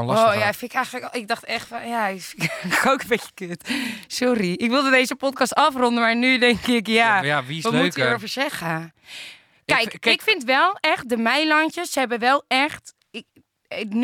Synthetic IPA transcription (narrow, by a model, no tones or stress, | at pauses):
lojafɪnɪkɛjxəələkɪk̚dɑxtɛxtfɔnja | koːkənbɪcə̥kɪtsɔriɪkʋɪlˠdədeːzəpɔt̚kɑstɑfrɔndəmaɹnydɛŋkɪkjajaʋisʋɔmuktəofəɹsɛxə | kɛjkɪkfɪntʋɛlˠɛxt̚dəmɛjlɔntəssəhɛbəʋɛlˠɛxt | ɪk | n